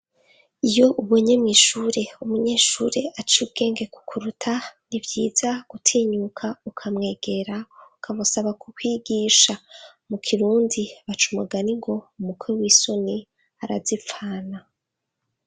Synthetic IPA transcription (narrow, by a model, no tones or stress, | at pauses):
ijo̞ʔuβoɲemŋiʃuːɾe̞umuɲe̞ːʃuɾe̞ʔat͡ʃiubɡe̞ːŋɡe̞ku̥kʰuɾutʰanivjiːz̥aɡ̥utʰiːɲukʰaukʰamŋe̞ːɡe̞ɾaukʰamusaβakukwiːɡiːʃa | mukʰiɾuːndiβat͡ʃumaɡaniŋɡo̞umukweɾwiːsoni | aɾazifaːna